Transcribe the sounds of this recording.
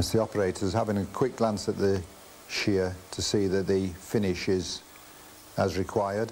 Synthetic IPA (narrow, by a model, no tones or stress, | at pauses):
sðiɒpəɹeɪtʰəz̥havɪ̃ŋəkʰw̥ɪk̚ɡ̥lãnsəʔ̪ðə | ʃɪətʰəsiːðəʔ̪̚ðəfɪnɪʃɪz | əzɹɪkʰw̥aɪəd̥